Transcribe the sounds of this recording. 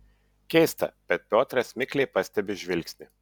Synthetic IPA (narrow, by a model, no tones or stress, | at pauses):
kʲɛɪst̪ɐ̰b̥ʲɛt̪̚pʲoːt̪ɾɐsʲmʲɪkʲlʲeɪpɐsʲt̪ʲɛbʲɪʒʲʋʲɪlʲksʲnʲɪ